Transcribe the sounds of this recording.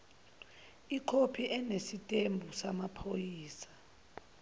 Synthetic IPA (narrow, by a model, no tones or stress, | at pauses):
ikʰopʰiʔɛnesitʼembʱusamapʰojiːsḁ